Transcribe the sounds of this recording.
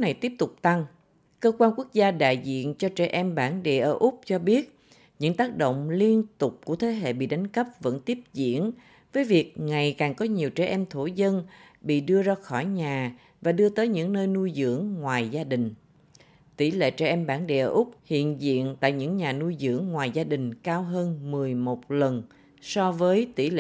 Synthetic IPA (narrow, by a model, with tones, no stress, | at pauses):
na˨˩jt̪i˦˥əp̚t̪ʊ˨˩k͡p̚t̪a˧ŋ | kəː˧kwaː˧nku˦˥ək̚zaː˧ɗa̰ː˧˨jzḭ˧˨ənt͡ɕɔ˧t͡ɕɛ˧˩ʔɛ˧mɓaː˧˩nɗe˨˩ʔəː˧˩ʔʊ˦˥k͡p̚t͡ɕɔ˧ɓi˦˥ət̚ | ɲɨ̰˧˥ŋt̪aː˦˥k̚ɗo̰˧˨wŋ͡mli˧ənt̪ʊ˨˩k͡p̚ku˧˩ət̪ʰe˨˦ɦḛ˧˨ɓḭ˧˨ɗa˨˦jŋ̟kə˦˥p̚və̰˧˥nt̪i˦˥əp̚zḭ˧˨ən | vəː˨˦jvi˨˩ək̚ŋa˨˩jkaː˨˩ŋkɔ˨˦ɲi˨˩əwt͡ɕɛ˧˩ʔɛ˧mt̪ʰo˧˩zə˧nɓḭ˧˨ɗɨ˧əzaː˧xɔ˧˩jɲaː˨˩ | vaː˨˩ɗɨ˧ət̪əː˨˦jɲɨ̰˧˥ŋnəː˧jnu˧jzɨ̰˧˥əŋŋwaː˨˩jzaː˧ɗï˨˩ŋ̟ | t̪i˧˩lḛ˧˨t͡ɕɛ˧˩ʔɛ˧mɓaː˧˩nɗḛ˧˨ʔəː˧˩ʔʊ˦˥k͡p̚hḭ˧˨ənzḭ˧˨ənt̪a̰ː˧˨jɲɨ̰˧˥ŋɲaː˨˩nu˧jzɨ̰˧˥əŋːwaː˨˩jzaː˧ɗï˨˩ŋ̟kaː˧wɦəː˧nmɨ˨˩əjmo˨˩t̚lə˨˩n | sɔ˧vəː˨˦jt̪i˧˩lḛ˧